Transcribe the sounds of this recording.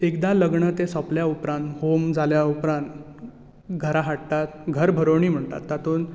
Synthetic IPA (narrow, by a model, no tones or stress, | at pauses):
ekd̪aləɡɳət̪ẽsɔpljaupɾãnt̪ɦomd͡zaljaupɾãnt̪ | ɡʱəɾaɦaʈt̪at̪ɡʱəɾbʱəɾəɳiːm̤əɳt̪a̰t̪ːat̪ʰuːn